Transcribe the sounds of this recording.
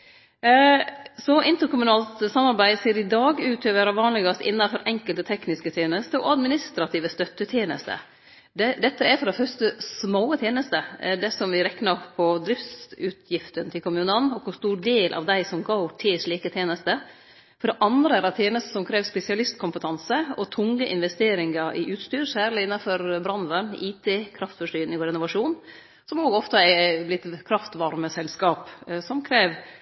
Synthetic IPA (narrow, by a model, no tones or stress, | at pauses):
sɔʔɪnt̪əɾkʰʊmʉnɑːlt̪sɑmːɑɾbæɪd̪seːɾɪd̪ɑːɡʉːt̪ʰøːʋəɾɑʋɑːnlɪɡɑst̪ɪ̰nːɑfɔɾʔɛŋkəlt̪ət̪ʰɛknɪskət̪ʰjeːnəst̪əɔ̰ɑd̪mɪnɪst̪ɾɑt̪ʰiːʋəst̪œt̪ːət̪ʰjeːnə̰st̪ə̰ | d̪ɛd̪ɛt̪ːəæɾfɔɾd̪ɛfœɾst̪əsmoːət̪ʰjeːnəst̪əæɖɛsɔmʋɪɾɛknɑpʰːɔd̪ɾɪft̪sʉːt̪ʰjɪft̪ənt̪ʰɪlkʊmʉːnənɔkʰʊst̪uːɾɖeːlʔɑ̰ʋd̪æɪsɔmɡoʊʈʰɪʂɭiːkət̪ʰjeːnəst̪ə | fɔɖɛʔɑnd̪ɾəæɖɑt̪ʰjeːnəst̪ə̥sɔmkʰɾeːʋspɛsɪɑlɪst̪kʰʊmpət̪ʰɑnsəɔt̪ʰʊŋːəʔɪ̰nʋɛst̪eːɾɪŋɑʔɪ̰ʔʉːt̪st̪yːɾsæːɾlɪɪnːɑnfɔɾbɾɑnʋəniːt̪ʰeːkʰɾɑft̪fɔʂʈyːɾnɪɡʊːɾɪnʊʋɑʂuːn | sɔmoːɡɔft̪əæblɪt̪kʰɾɑft̪ʋɑɾməsɛlskɑːpsɔmkʰɾeːʋ